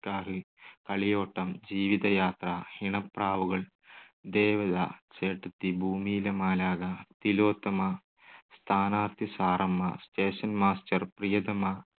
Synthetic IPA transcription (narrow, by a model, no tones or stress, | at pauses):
kaːɦɨ | kɐɭijoːʈːɐmd͡ʑiːʋid̪ɐjaːt̪rahiɳɐpraːʋuɣɐɭ | d̪eːʋɐd̪a̰ːt͡ʃeːʈːut̪ːibʱuːmiːlɐmaːlaːɡɐt̪iloːt̪ːɐmɐ | st̪ʰaːnaːɾt̪ʰisaːɾɐmːɐ̰sʈeːʂɐnmaːsʈɐrprijɐd̪ɐmɐ